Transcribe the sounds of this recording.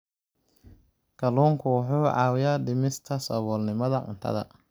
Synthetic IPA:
kʰɐluːŋkʰʊwʊħuːʕɑ̰ːwɪjaːɖɪmɪst̪ʰɐsɔ̰βɔːlnɪmɐðɐʔʊ̰nt̪ʰɐ̰ðɐ̰

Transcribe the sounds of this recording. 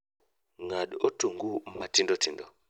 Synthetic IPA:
ŋaɗɔtuŋɡumatindɔtindɔ

